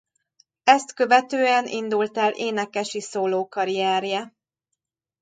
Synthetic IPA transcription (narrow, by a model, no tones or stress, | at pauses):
ɛst̪kø̞vɛt̪øːɛnʔḭnd̪ult̪ɛlʔeːnɛkɛʃisoːloːkɒɾijɛːɾjɛ